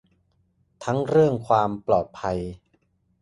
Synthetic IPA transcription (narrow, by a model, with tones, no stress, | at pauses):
t̪ʰa˦˥ŋɾɯ˥˩əŋkʰwaː˧mplɔː˨˩t̪̚pʰa˧j